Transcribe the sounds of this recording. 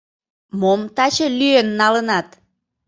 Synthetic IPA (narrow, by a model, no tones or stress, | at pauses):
momt̪ɑt͡ɕəlyenːɑlənɑt̪